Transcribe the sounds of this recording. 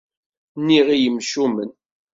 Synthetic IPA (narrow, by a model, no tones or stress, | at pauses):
nːiʁijəmʃumə̰n